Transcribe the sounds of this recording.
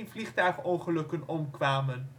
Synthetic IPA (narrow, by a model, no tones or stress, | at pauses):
nvliχtœɥχəoχəlɵkənɔmkʋaːmən